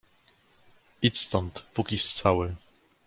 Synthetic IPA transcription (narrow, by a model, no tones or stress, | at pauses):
it̪st̪ɔnt̪pukʲist̪sawɘ